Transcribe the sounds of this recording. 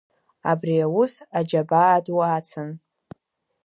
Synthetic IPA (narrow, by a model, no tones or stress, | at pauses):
a̰briawʊsad͡ʒabaːdwat͡sʰɨn